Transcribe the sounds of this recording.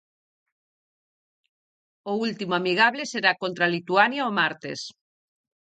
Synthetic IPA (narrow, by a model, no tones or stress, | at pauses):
oult̪imoamiɣ̞aβleseɾakont̪ɾalit̪uanjaomaɾt̪ḛs